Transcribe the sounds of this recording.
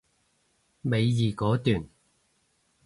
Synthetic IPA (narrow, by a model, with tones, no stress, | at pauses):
me˨˧jjiː˨kɔː˨˥t̪yː˨˩n